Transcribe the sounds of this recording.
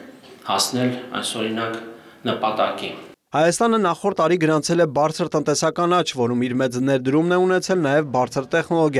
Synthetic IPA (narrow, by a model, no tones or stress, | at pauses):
hɑsnɛlɑ̰jsɔɾinɑk | nəpɑt̪ɑkḭ | hɑjɑst̪ɑnənɑχɔɾt̪ːɑɾiɡəɾɑnt͡sʰɛlɛbɑɾt͡sʰəɾt̪ənt̪ɛsɑkɑnɑt͡ʃʰvɔɾumiɾmɛt͡snɛɾd̪əɾumnɛunɛt͡sʰɛlnɑjɛvbɑɾt͡sʰəɾt̪ɛχnɔlɔɡjɑ